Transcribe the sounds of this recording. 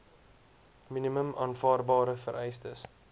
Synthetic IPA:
miniməmɑːnfɑːrbɑːɾəfəɾʔɛjstəs

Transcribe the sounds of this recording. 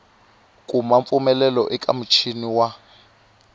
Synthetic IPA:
kʼumaɱpfumɛlɛlɔʔɛkʼa̰m̩t͡ʃʰiniwa

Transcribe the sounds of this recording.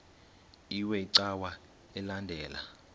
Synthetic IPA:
iwɛiǀawa | ɛlandʱɛːla̰

